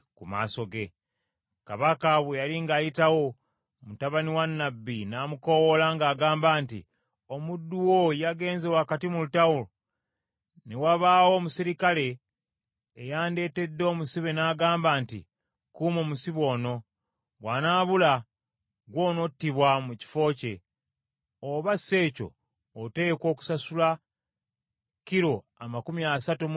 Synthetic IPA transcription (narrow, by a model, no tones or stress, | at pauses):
kuma̰ːso̞ɡe̞ | kaβakaβujaliŋɡaːjitawo̞ | mutaβaniwanːabːinaːmuko̞wolaŋɡaːɡaːmbaːntḭ | o̞mudːuwo̞jaɡe̞ːnzewakatimulutawulo | newaβaːwo̞ːmusiɾikale̞ː | jaːnde̞ːte̞dːo̞ːmusiβe̞naːɡaːmbaːntḭ | kuːmo̞ːmusiβwo̞ːno̞ | wanaːβula | ɡwo̞ːno̞tːiβwamuci̥fo̞ːce̞ | oβase̞ːco̞̰ː | te̞kwo̞ːku̥sasula | kiɾo̞ | amakumiasatu